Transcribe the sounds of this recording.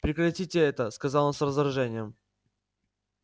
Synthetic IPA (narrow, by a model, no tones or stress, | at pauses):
pɾʲɪkrɐtʲitʲɪɛt̪əskɐzɑlˠənsrəzəɾɐʐɛnʲɪjəm